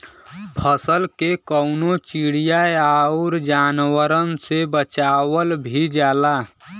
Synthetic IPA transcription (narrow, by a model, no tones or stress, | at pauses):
pʰəsəlkekəʊnot͡ʃiɽijaeaʊɾd͡ʒanwəɾənsebət͡ʃawəlbʱid͡ʒaːla